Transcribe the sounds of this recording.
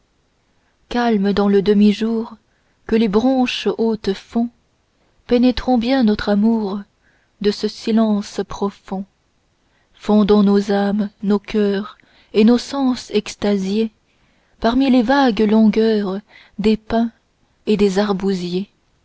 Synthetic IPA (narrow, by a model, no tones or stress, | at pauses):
kalməd̪ɑ̃ləd̪əmiʒuːʁ | kəlebʁɔ̃ʃot̪fɔ̃ | penɛt̪χɔ̃bjɛ̃nɔt̪χamuʁ | d̪əsəsilɑ̃spχɔfɔ̃ | fɔ̃d̪ɔ̃nozamnokʰʲœːʁ | enosɑ̃sɛkst̪azje | paʁmilevaɡlɔ̃ɡœːʁ | d̪epɛ̃ | ed̪ezaʁbuzje